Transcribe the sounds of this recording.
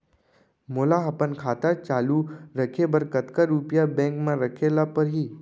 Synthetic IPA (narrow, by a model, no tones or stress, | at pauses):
moːlaɦɐpənkʰaːt̪at͡ʃaːluɾəkʰebəɾkət̪kaɾuːpjabɛ̃ːŋkmãɾəkʰelapəɾɦiː